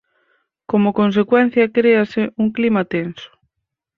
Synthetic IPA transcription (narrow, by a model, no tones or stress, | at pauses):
komʊkons̬ekwɛn̟θjɐkɾeasɪuŋklimɐt̪ensʊ̥